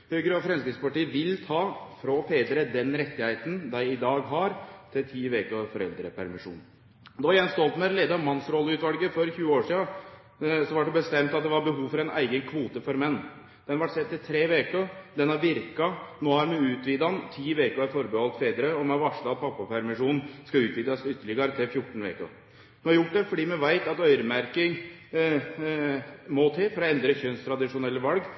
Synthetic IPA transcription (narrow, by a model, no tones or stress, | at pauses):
hœʏɡɾəɔfɾɛmskɾɪɡ̪spɑʈiːəʋɪlt̪ʰɑːfɾɔfeːd̪ɾəd̪ɛnɾɛt̪ːɪheɪt̪ənd̪æɪɪd̪ɑːɡɦɑɾt̪ʰɪlt̪ʰiːʋeːkəfɔɾɛ̰ld̪ɾəpʰæɾmɪʂṵːn | d̪ɔjɛnst̪ɔlt̪mæɾleːd̪əɑmɑnsɾɔlːəʉːt̪ʋɑlɡəfɔɾçʉːəoːʂiːɑ | sɔʋɑʈ̚d̪ɛbəst̪ɛmt̪ɑt̪̚d̪ɛʋɑɾbəɦuːʋfɔɾɛnæ̰ɪɡənkʰʋuːt̪əfɔɾmɛnː | d̪̥ɛnʋɑʈsɛt̪ːɪlt̪ʰɾeːʋeːkəd̪ɛnhɑɾʋɪɾkɑnoːhɑɾmɛʉːt̪ʋiːd̪ɑnt̪ʰiːʋeːkəɑfɔɾbəhɔlt̪feːd̪ɾəɔmɛɑʋɑʂɭɑɑt̪̚pʰɑpːɑpʰæɾmɪʂuːnn̩skɑʉːt̪ʋiːd̪ɑsʏt̪ːəɭɪɡɑɾət̪ʰɛfjʊʈːɳ̩ʋḛːkə̰ | d̪ʊhɑɾjʊʈ̚ːɖ̪ɛfɔɖiːmɛʋæɪt̪ɑt̪œʏɾəmæɾkɪŋ | mɔt̪ʰeːfɔɾɔɛnd̪ɾəçœnst̪ʰɾɑd̪ɪʂʊnɛlːəʋɑlɡ